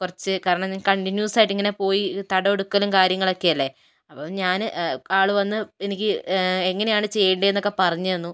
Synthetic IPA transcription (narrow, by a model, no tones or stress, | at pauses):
kurɐt͡ɕːɨkaːɾɐɳɐmɲaːnkɐɳʈinjuːsaːjiʈːiŋːɐne̞po̞ːjit̪ɐɽɐoɽukːɐlumkaːɾjɐŋːɐɭo̞kːe̞jɐlːe̞ | ɐpːoɲaːnaːɭuʋɐnːɨenikʲːɨe̞ŋːɐnejaːɳɨt͡ɕe̞jːɐɳɖeenːo̞kːe̞pɐrɐɲːɐnːu